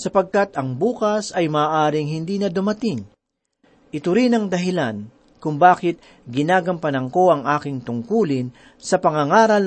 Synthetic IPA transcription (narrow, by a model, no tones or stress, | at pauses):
sɐpɐɡ̚kat̪ɐŋbuːkɐsɐjmɐːʔaːɾɪŋɦɪnd̪iːnɐd̪ʊmɐt̪ɪŋ | ʔɪt̪ʊɾinɐŋd̪ɐɦɪlan | kʊŋbaːkɪt̪̚ | ɡɪnaːɡɐmpɐnɐŋko̞ʔɐŋʔaːkɪŋt̪ʊŋkuːlɪn | sɐpɐŋɐŋaːɾɐl